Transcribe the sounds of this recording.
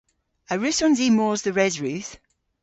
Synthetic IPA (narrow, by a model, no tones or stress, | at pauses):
əɹʉsɔ̃nzimɔːzðəɹɛzɹʉˑθ